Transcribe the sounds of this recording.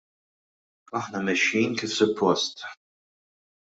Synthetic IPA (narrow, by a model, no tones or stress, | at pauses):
ɐħnɐmɛʃːiːnkifsʊpʰːɔst̪